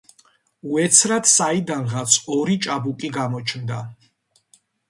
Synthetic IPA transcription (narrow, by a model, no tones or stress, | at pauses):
uɛt̪sʰɾat̪said̪anʁat̪sʰɔɾit͡ʃʼabukʼiɡamɔt͡ʃʰnd̪a